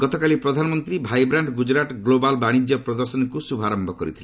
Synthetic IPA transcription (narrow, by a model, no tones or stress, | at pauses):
ɡ̥ɔt̪ɔkalipɾɔd̪ʱanɔmɔnt̪ɾibʱajbɾaɳɖɡud͡ʒɾaʈɡlobalbaɽ̃id͡ʒjɔpɾɔd̪ɔɾsɔnkusubʱaɾɔmbʱɔkɔɾḭt̪ʰile